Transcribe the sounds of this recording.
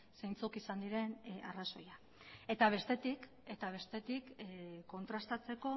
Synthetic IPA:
sejnt͡sukisand̪iɾe̞na̰raso̞ja | e̞t̪aβ̞e̞st̪e̞t̪ik | e̞t̪aβ̞e̞st̪e̞t̪ikkːo̞nt̪ɾast̪at͡se̞ko̞

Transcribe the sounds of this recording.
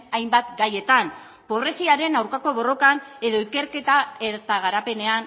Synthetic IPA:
ajmbat̪ɡaje̞t̪an | po̞β̞re̞siaɾe̞nawɾkako̞βo̞ro̞kane̞ðo̞ike̞ɾke̞t̪ae̞ɾt̪aɣ̞aɾape̞ne̞an

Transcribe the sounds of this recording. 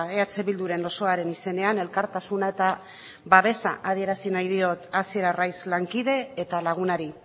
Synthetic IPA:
e̞at͡se̞βild̪uɾe̞no̞so̞aɾe̞nise̞ne̞ane̞lkaɾt̪asunae̞t̪a | βaβe̞sa̰ʔað̞ie̞ɾasinajð̞io̞t̪asie̞ɾarajzlaŋkiðe̞ːt̪alaɣ̞unaɾi

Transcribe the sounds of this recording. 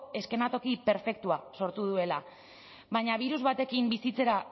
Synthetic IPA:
e̞ske̞nat̪o̞kipe̞ɾfe̞k̚t̪uaso̞ɾt̪uð̞ue̞la | βaɲaβ̞iɾuzβat̪e̞kimbisit͡se̞ɾa

